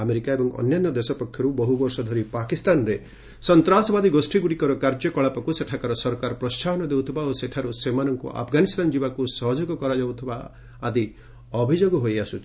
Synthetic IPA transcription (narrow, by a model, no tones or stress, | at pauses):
ameɾikaebɔŋɔ̰njanːɔd̪esɔpɔkʰjɔɾubɔɦubɔɾsɔd̪ʱɔɾipakist̪anɾe | sɔnt̪ɾasɔbad̪iɡosʈiɡuɽikɔɾɔkaɾd͡ʒɔkɔɭapɔkuseʈʰakaɾɔsɔɾkaɾɔpɾɔst͡ʃaɦɔnɔd̪ewt̪ʰibaoseʈʰaɾusemanɔŋkṵʔa̰pʰɡanist̪anɔd͡ʒibakusɔɦɔd͡ʒɔɡɔkɔɾad͡ʒawt̪ʰibaː | d̪i | ɔbʱid͡ʒoɡɔɦojasut̪ʰi̥